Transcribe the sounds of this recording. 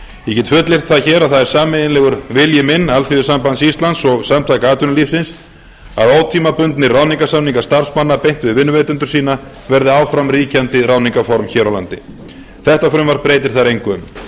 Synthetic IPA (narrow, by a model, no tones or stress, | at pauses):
jɛcɛt̪fʏt̪lɪr̥t̪θaçɛːɾaðθaðɛɾ̥saːmɪðɪnɛːɣʏɾvɪljɪmɪnːalθivɪsampansist̪lansɔɣsamt̪ʰajkaaːt̪ʏnaliːfsɪns | a̰ðoːwt̪ʰiːmapʏnt̪nɪraːwniŋkasamniŋkast̪aɾ̥smanːapejn̥t̪vɪðvɪnːʏvejt̪ʏnt̪ʏ̥ɾ̥siːna | vɛɾðɪawfɾamriːcant̪ɪraːwniŋkafɔɾmçɛːɾawla̰nt̪ɪ | θɛht̪afɾʏmvaɾpɾeːjt̪ɪɾ̥θaɾejŋkʏm